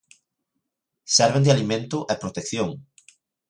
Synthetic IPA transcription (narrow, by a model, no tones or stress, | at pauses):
sɛɾβẽnd̪ɪalimẽnt̪ʊʔɛpɾot̪ekθjoŋ